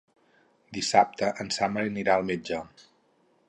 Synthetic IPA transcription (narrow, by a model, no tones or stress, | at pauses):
d̪isap̚t̪əʔənsaməɾiniɾaəlˠmed͡ʒə